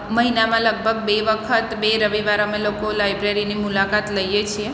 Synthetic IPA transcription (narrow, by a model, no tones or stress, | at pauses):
məɦinamãləɡ̚bʱəɡ̚beʋəkʰət̪beɾəʋiʋaɾomẽlokolajbɾeɾinimulakat̪ləjjet͡ʃʰie